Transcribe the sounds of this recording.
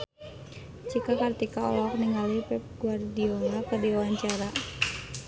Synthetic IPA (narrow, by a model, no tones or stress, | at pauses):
t͡ʃikakart̪ikaɔ̰lɔk̚niŋalipɛp̚ɡuardionakərdiawaɲt͡ʃaɾa